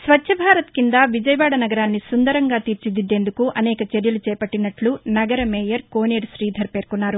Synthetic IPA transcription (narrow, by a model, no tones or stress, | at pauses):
sʋɐt͡ʃːʃʰɐbʱaːɾɐt̪kind̪aʋid͡ʒɐjɐʋaːɽɐnɐɡɐɾaːnːisund̪ɐɾɐŋɡaːt̪iːɾt͡ʃid̪id̪ːe̞ːnd̪ukuʔɐnɛːkɐt͡ʃeɾjɐlut͡ʃɛːpɐʈːinɐʈlunɐɡɐɾɐmeːjɐɾko̞ːneːɾʃɾiːd̪ʱɐɾpe̞ːɾkunːaːɾu